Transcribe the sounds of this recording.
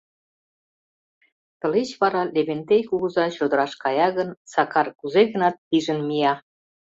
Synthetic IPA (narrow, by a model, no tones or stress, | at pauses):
t̪ɤ̆let͡ɕβɑɾɑleβent̪ejkuɣəzɑt͡ɕod̪ə̆ɾɑʃkɑjɑɣənsɑkɑrkuzeɣə̆nɑt̪̚ːiʒə̆nmijɑ